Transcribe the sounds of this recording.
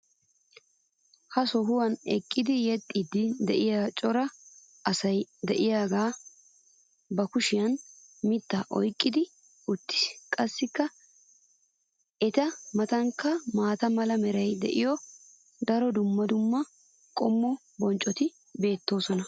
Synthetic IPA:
hɐsɔɦʊwɐnɛ̰kʼːɪd̪ɪjɛt̪ʼːid̪ɪd̪ɛʔɪjat͡ʃʼɔɾɐ | ɐsɐjd̪ɛʔɪjaːɡaː | bɐkʊʃɪjɐnmɪt̪ːaʔɔ̰jkʼːɪd̪ɪ | ʊt̪ːɪ̥kʼɐsːɪkːɐ | ɛt̪ɐmɐt̪ɐŋkːɐmaːt̪ɐmɐlɐmɛɾɐjd̪ɛ̰ʔɪjɔ | d̪ɐɾɔd̪ʊmːɐd̪ʊmːɐ | kʼɔmːɔ | bɔnt͡ʃʼɔt̪ɪ | be̞ːt̪ːo̞ːsɔnɐ

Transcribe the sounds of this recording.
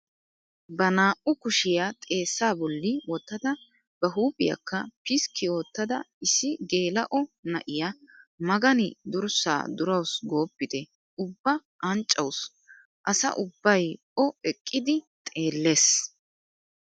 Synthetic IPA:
bɐnaːʔʊkʊʃɪjat̪ʼe̞ːsːaːbɔlːɪwɔt̪ːɐd̪ɐ | bɐɦuːpʼɪjɐ̰kːɐpɪskʰɪo̞ːt̪ːɐd̪ɐɪsːɪɡe̞ːlɐʔɔnɐʔɪjamɐɡɐnɪd̪ʊɾsa̰ːd̪ʊɾɐwsɡo̞ːpːɪt̪ɛ | ʊbːɐ | ʔɐnt͡ʃʼːɐws | ʔɐsɐ̰ʔʊbːɐj | ɔɛkʼːɪd̪ɪ | t̪ʼe̞ːlːe̞ːs

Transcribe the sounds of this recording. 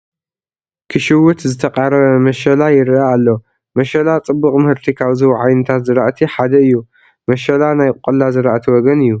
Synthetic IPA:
kʰɨʃɪwʊt̪zɨt̪ʰɐqʼaɾɐβɐmɐʃɐlajɪɾaːlːɐ | mɐʃɐlat͡sʼɨbːuχʼmɨhɨɾt̪ʰikʰaβzɨβuʕajnɨt̪ʰat̪zɨɾaʔt̪ʰiħad̪ɐɨjːu | mɐʃɐlanajkʼqʼɐlazɨɾaʔt̪ʰiwɔɡɐnɨjːu

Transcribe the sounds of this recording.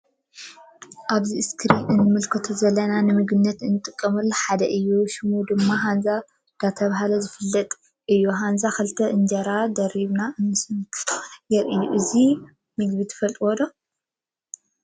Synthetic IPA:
ʔaβziʔɨskʰɨɾinɨnːɨmɨlkʰɨt̪ʰuzɐlːɐnanɨmɨɡɨnːɐt̪ɨnːɨt̪ʼɨkʼːɐmɨlːɐħad̪ɐʔɨjːuʃumud̪ɨmːaɦanza | d̪̥at̪ʰɐβaɦalɐzɨfɨlːɐt̪ʼ | ʔɨjːuɦanzakɨlt̪ʰɐʔɨnd͡ʒɐɾad̪ɐɾiβnaʔɨnːɨsɨnkʰjɛɾʔɨjːuʔɨzi | mɨɡβit̪ʰɨ̥fɐlt̪ʼiwod̪o

